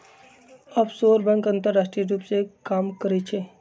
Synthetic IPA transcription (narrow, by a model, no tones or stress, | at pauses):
əbsoːɾbə̃ŋkə̃nt̪əɾːaːsʈɾiɾuːpsekaːmkəɾɛt͡ʃʰe